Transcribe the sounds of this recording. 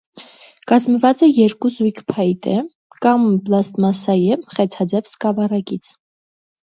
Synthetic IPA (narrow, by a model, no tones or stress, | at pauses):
kɑzməvɑt͡sɛjɛɾkuzujkʰpʰɑjt̪ʰɛ | kɑmplɑst̪mɑsɑjɛmχɛt͡sʰɑd͡zɛvskɑvɑrɑkit͡sʰ